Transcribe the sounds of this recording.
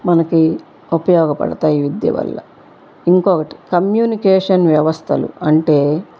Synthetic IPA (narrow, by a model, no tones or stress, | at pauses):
mɐnɐki | upɐjɔːɡɐpɐ̰ɽɐt̪aːjiʋid̪jɐ̰ʋɐ̰lːɐ̰ | iŋkɔːkɐʈi̥kɐmjuːnikeːʂɐnʋjɐʋɐst̪ʰɐlṵɐɳʈe̞ː